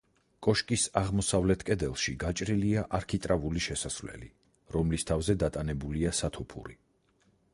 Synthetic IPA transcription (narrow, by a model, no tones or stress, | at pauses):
kʼɔʃkʼisaʁmɔsavlɛt̪ʰkʼɛd̪ɛlˠʃiɡat͡ʃʼɾiliaʔaɾkʰit̪ʼɾavuliʃɛsasvlɛ̰lḭ | ɾɔmlist̪ʰavzɛd̪at̪ʼanɛbuliasat̪ʰɔpʰṵɾḭ